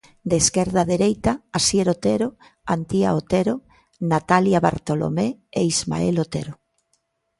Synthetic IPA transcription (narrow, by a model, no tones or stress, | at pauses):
d̪eːskeɾðaðeɾejt̪aːsjeɾot̪eɾo | ant̪iaot̪eɾo | nat̪aljaβa̰ɾt̪olo̰meeizma̰elot̪eɾo